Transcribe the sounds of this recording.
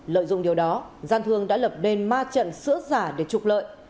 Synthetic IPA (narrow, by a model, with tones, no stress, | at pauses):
lə̰ː˧˨jzʊ̰˧˨ŋ͡mɗi˨˩əwɗɔ˨˦zaː˧nt̪ʰɨ˧əŋɗa̰ː˧˥lə˨˩p̚ne˧nmaː˧t͡ɕə̰˧˨nsɨ̰˧˥əzaː˧˩ɗe˧˩t͡ɕʊ˨˩k͡p̚lə̰ː˧˨jʔ